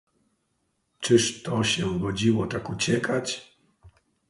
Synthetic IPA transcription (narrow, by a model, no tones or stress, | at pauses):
t͡ʂɘʂt̪ɔɕɛɡɔd͡ʑiwɔt̪akut͡ɕɛkʰat͡ɕ